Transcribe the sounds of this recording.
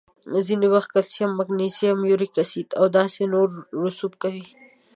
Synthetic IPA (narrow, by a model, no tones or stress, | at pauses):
ziniwɐxt̪̚kɐɾsiɐmːɐɡnisijamjuɾikɐsiːt̪awd̪ɑːsenoɾɾʊsub̚kawi